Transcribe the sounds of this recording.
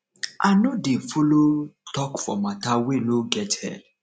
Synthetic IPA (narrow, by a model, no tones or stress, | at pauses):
a̰nõdefolotɔkfɔ̰mãtaweloɡɛthɛ̰